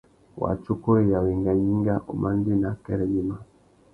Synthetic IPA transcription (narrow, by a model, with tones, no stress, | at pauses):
wa̰˨t͡ʃu˦kɔ˦ɛ˦˨ja˨wɛ˨ŋɡa˨ji˦ŋɡa˦ʔṵ˨ma˦n˦di˦na˨kɛ˦ɾɛ˨ɡi˦ma˨